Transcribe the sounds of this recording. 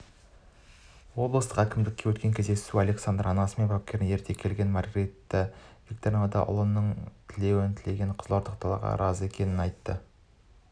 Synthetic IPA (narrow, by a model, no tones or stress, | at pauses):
wo̞blˠəst̪əqækʲɪmd̪ɪkʲːe̞wɵt̪kʲe̞ŋkʲʰezd̪e̞suɑle̞ksand̪rʔɑnɑsme̞nbap̚kʲe̞ɾnje̞ɾt̪ʰe̞kʲʰe̞lɡʲe̞nmɑɾɡret̪ːɪvʲik̚t̪oɾʲnad̪ɑ̰ʔʊ̰lˠənːəɴt̪ʰɪle̞wɪnt̪ʰɪle̞ɡʲe̞ɴqʰəzlˠɑɾd̪əq̚t̪ʰɑlˠɑ̰ʁɑ̰ɾɑze̞kʲʰe̞nɪnɑjt̪ːə